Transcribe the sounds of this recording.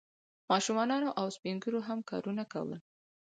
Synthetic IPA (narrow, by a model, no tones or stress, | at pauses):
mɑʃumɑnɑnoʔawspiŋɡunoɦamkɑ̰ɾunaka̰wə̰l